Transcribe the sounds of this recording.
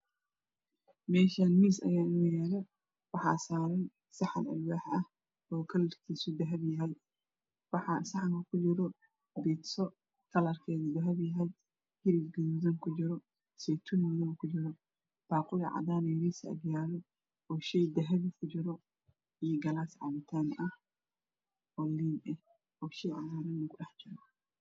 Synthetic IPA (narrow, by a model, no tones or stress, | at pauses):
mɛːʃaːnmiːsɐjaːɪnjɛːlɛ | wɑħɑ̰ːsaːɾɐn | sɐħɐnɐ̰lwaːħʔɐh | ɔːkʰɐlɐrkʰiːsʊd̪ɐɦɐβɦɐl | wɑħɑsɐħaŋkʰɐkʰʊd͡ʒɪɾɔ | bɛːt̪sɔ | kʰɐlɐrkʰɛːɣʊd̪ɐɦɐβɦɐj | hɪɾiɡɡɐjuzɐŋkʰʊd͡ʒɪɾɔ | sɛjt̪ʰunwðɐβɐkʰʊd͡ʒɪɾɔ | b̥aːqʊjɐʕa̰daːnɐjɪɾiːsɐ̰ɡjaːlɔ | ɔːʃɛjd̪ɐɦɐβikʰʊd͡ʒɪɾɔ | ijɔɡɐlaːsʕɑ̰βɪt̪ʰaːnʔɐh | ɔːliːnɛh | ɔːʃɛjʕanaːɾɐnːɐkʰʊɗɛħd͡ʒɪɾɔ